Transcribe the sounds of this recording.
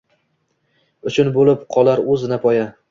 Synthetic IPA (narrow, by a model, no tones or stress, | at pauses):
ʊt͡ʃʰʊnbolɪpqʰɒlˠaɾɵzɪnapʰɒja